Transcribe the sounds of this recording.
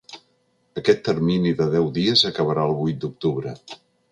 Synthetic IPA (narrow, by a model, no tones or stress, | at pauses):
əkɛt̪ːərminiðəðɛwðiəzəkəβ̞əɾaəlˠβujt̪̚d̪uk̚t̪uβɾə